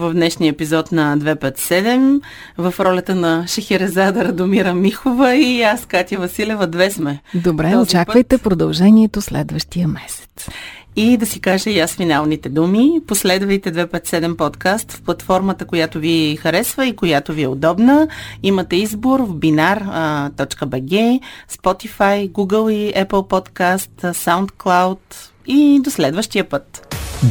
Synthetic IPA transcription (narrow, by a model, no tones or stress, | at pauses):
vɐvd̪nɛʃnijəɛpizɔt̪nɐd̪vɛpɛt̪sɛd̪ɛm | vɐfɾɔlʲət̪ənɐʃɐxɛɾɛzad̪ɐɾɐd̪omiɾəmixovəiaskat̪ʲjəvɐsilʲɛvəd̪vɛsmɛd̪obɾɛot͡ʃt͡ʃakpvəjt̪ɛpɾod̪ɐlˠʒɛniɛt̪oslɛ̰d̪vəʃt̪ijəmɛsɛ̥t̪sid̪ɐsikaʒɛjasfinalˠnit̪ɛd̪umiposlɛd̪vəjt̪ɛd̪vɛpət̪sɛd̪ɛmpɔt̪kast̪fplˠɐt̪fɔɾmət̪əkojat̪ovixɐɾɛsvəikojat̪oviɛod̪ɔbnəimət̪ɛizboɾvbinaɾt̪ɔt͡ʃkəbɛɡɛspɔt̪ifajɡuɡəlˠiɛpəlˠpɔt̪kast̪sawnt̪klˠawt̪ | id̪oslɛd̪vəʃt̪ijəpət̪